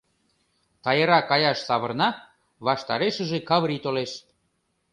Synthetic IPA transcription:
t̪ɑjəɾɑkɑjɑʃsɑβə̆rnɑ | βɑʃt̪ɑɾeʃə̆ʒekɑβɾit̪oleʃ

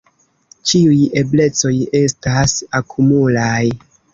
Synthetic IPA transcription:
t͡ʃiuje̞ble̞t͡so̞je̞stasakʰumulaj

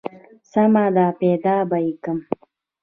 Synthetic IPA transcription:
samad̪aːped̪aːbaikəm

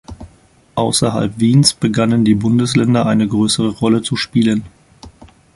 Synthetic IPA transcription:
ʔaʊsɐɦa̰lpv̥iːnsb̥əɡanəndiːbʊndəslɛndɐʔaɪnəɡʁøːsəʁəʁɔlət͡suʃpiːlən

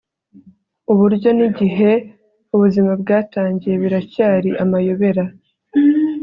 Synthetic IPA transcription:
uβuɾɟo̞niɟiɦe̞ | uβuzimabɡaːtaːɲɟije̞βiɾacaːɾiʔamajo̞βe̞ɾa

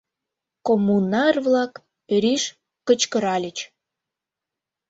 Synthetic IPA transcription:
komːunɑrβlɑk | øɾiʃ | kət͡ɕkəɾɑlʲət͡ɕ

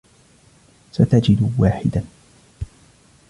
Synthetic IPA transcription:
sat̪ad͡ʒɪd̪waːħɪ̰d̪a

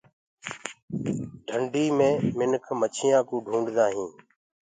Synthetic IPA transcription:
ɖʱəɳɖiːmẽːmɪnkʰmət͡ʃʰɪjãːkũːɖʱũːɳɖd̪aːɦĩː

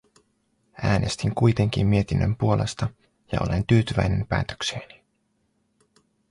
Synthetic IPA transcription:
ʔæːne̞st̪iŋkujt̪e̞ŋk̟imːie̞t̪inːømpuo̞lʔe̞st̪ɑ | jɑ̰ʔo̞̰le̞nt̪yːt̪yʋæjne̞mpæ̰ːt̪ø̥kseːni̥

